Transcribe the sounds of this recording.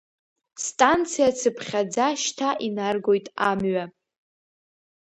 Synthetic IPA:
stʼant͡sʰijat͡sʰɨpʰχʲad͡zaʃtʰaʔinarɡo̞jtʼamɥa

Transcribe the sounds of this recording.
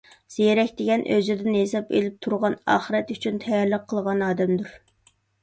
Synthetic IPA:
z̥eeɾɛkʲd̪eɡʲɛnʔøzɪd̪ɪnesɑpḛlɪp̚t̪ʰuɾʁɑnɑ̰ːχəɾɛt̪yt͡ʃʰynt̪ʰɛjɑɾlˠəqʰːəlˠʁɑnɑːd̪ɛmd̪yɾ

